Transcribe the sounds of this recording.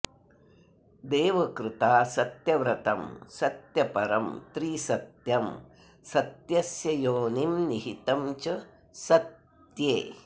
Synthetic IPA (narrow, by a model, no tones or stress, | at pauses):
d̪eːʋɐkɾɪt̪aːsɐt̪jɐʋɾɐt̪ɐmsɐt̪jɐpɐɾɐmt̪ɾiːsɐt̪jɐm | sɐt̪jɐsjɐjoːnimniɦit̪ɐmt͡ʃɐ | sɐt̪ | jeː